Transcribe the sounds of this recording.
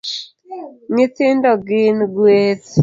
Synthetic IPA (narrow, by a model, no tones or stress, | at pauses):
ŋɪt̪ɪndɔɡɪnɡwet̪